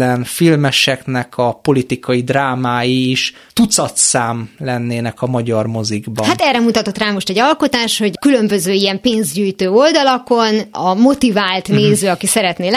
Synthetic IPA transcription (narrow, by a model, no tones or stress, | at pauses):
ɛnfilmɛʃɛknɛkʰɒpo̞lit̪ikɒjid̪raːmaːjiʃ | t̪ut̪sɒt̪saːmlɛnːeːnɛkɒmɒɟɒrmo̞ziɡbɒhat̪ɛːrːɛmut̪ɒt̪o̞t̪raːmo̞ʃt̪ɛɟɒlko̞t̪aːʃho̞ɟkylø̞mbøzøːijɛmpeːnzɟyːjt̪øːo̞ld̪ɒlɒko̞nɒmo̞t̪ivaːlt̪neːzøːɒkisɛɾɛt̪neːl